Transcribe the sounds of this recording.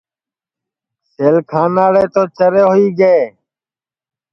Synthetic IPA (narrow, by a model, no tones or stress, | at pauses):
seːlkʰaːnaːɽeːt̪oːt͡ʃəɾeːɦʊiːɡeeː